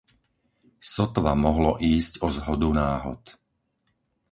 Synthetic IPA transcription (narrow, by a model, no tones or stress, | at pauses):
sɔt̪ʋamɔɦlɔʔiːscɔzɦɔd̪unaːɦɔ̰t̪